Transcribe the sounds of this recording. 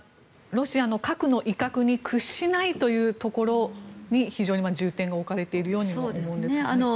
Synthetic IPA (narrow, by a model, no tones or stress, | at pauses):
ɾo̞ɕiano̞kakɯ̟no̞ʔikakɯ̟ɲ̟ikʰɯ̟ɕːinait̪o̞jɯ̟ːt̪o̞ko̞ɾo̞ɲ̟içiʑoːɲ̟imad͡ʑɨːt̪ẽ̞ŋɡaokaɾe̞t̪e̞iɾɯ̟jo̞ːɲ̟iaoemoɯ̃nd̪esano